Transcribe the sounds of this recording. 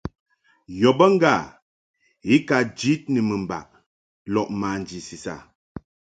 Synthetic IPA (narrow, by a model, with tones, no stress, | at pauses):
jɔ˨bə˦ŋ˦ɡa˦˨ | i˦ka˨d͡ʒi˦t̚nə˨mə˨m˨ba̰˨ʔ̚ | lɔ˨ʔma˨n˨d͡ʒi˨si˨sa̰˨